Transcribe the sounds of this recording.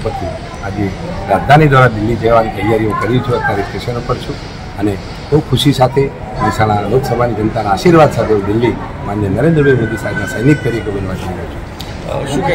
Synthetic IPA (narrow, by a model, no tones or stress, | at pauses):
pəɾt̪ʰi | ad͡ʒeɾad͡ʒd̪ʱanid̪ʋaɾad̪ɪlːid͡ʒeʋanit̪əjːaɾijõkəɾut͡ʃʰeət̪ːaɾikʈeʃənupəɾt͡ʃʰũ | əne | bəwkʰuʃisat̪ʰe | məsañaloksəbʱanid͡ʒənt̪anaːʃiɾʋad̪sat̪ʰeod̪ɪlːi | manjənəɾẽnd̪ɾəbʱajmod̪ʱisaɦɛd̪nasəjnik̪̚p̪əɾikebənʋad̪kəɾot͡ʃʰe̥